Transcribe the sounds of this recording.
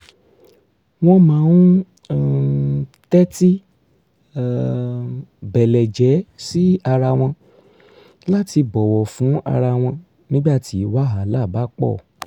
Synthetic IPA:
w̃ɔ̃˧mãː˨˦wũ˦ | tɛ˦ti˦˨ | bɛ˨lɛ˨d͡ʒɛ˨˦si˦a˧ɾa˧w̃ɔ̃˧ | la˦˨ti˧bɔ˨wɔ˨fũ˨˦a̰˧ɾa˧w̃ɔ̃˧ | nĩ˦ɡ͡ba˦˨ti˨˦wa˦ɦa˨˦la˦˨ba˦k͡pɔ̰˦˨

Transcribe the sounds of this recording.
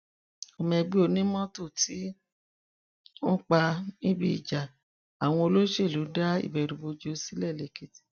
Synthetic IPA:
o˧mɛ̃˧ɡ͡bi˦o˧nĩ˦mɔ̃˦to˦˨ti˨˦ | õ˦k͡pa˧nĩ˦bi˦i˨d͡ʒa˨ | a˨w̃ɔ̃˧o˧lo˦ʃe˦˨lu˨˦da˦ḭ˦˨bɛ˨ɾu˨bo˧d͡ʒo˧si˦lɛ˦˨le˨ke˨˦ti̥˦

